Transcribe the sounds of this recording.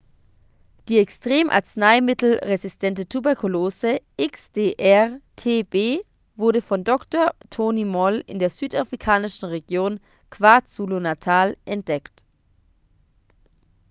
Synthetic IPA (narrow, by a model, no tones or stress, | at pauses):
d̥iːɛkstʁ̥eːmʔa̰ɐt͡snaɪmɪtl̩ʁezɪstʰɛntətʰubɛɐkʰuloːzəʔɪksd̥eːʔɛʁtʰeːbeː | vʊɐɾəfɔndɔktoːɐtʰoːnimɔlɪ̰ndeːɐzyːtafʁ̥ikʰaːnɪʃn̩ʁeɡjoːn | kv̥aɐt͡sulonatʰaːlʔɛnt̚d̥ɛkt